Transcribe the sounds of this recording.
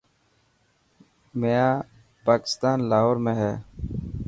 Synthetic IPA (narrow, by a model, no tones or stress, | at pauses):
meːãː | paːkɪ̥st̪aːnlaːɦoɾmẽːɦɛː